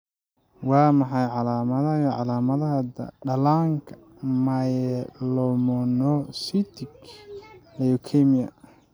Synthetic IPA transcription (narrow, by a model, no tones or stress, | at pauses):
wɑːmɑħɑjʕɑlaːmɐðɐjʕɑlaːmɐðɐɦɐd̪ɐ̰ɖɐlaːŋkʰɐ̥ | majlɔmɔnɔsit̪ʰɪk | ɛjɔkʰɛmijɐ̰